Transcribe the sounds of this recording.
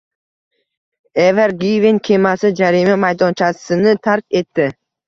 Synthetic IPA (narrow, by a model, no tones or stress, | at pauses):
eveɾɡivinkʲʰemasɪd͡ʒaɾimamajd̪ont͡ʃʰasɪnɪt̪ʰaɾke̞t̪ːɪ